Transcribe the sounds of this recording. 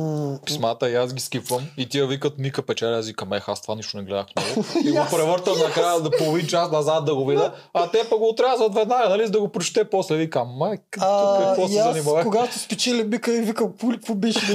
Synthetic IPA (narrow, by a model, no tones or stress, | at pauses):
pi̥smat̪əazɡiskipvɐmit̪ijəvikət̪mikəpɛt͡ʃɛlʲazikɐmɛxast̪vaniʃt̪onɛɡlɛd̪a̰xnɔɡʊiɡopɾɛvɤɾt̪əmnɐkɾajəd̪polˠovint͡ʃasnɐzat̪̚d̪ɐɡovid̪əɐt̪ɛpɐɡoːt̪ɾazət̪vɛd̪naɡɐnɐlizd̪ɐɡopɾot͡ʃt̪ɛpɔslɛvikamma | kɔsɛazɐnimvɛkoɡat̪t̪ospɛt͡ʃilʲimikəivikəmpulpʊbiʃ